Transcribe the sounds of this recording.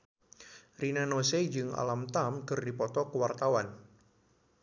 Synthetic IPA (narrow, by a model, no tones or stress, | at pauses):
rinanosed͡ʒɨŋa̰lamt̪amkɨrdipɔt̪ɔkəwart̪awan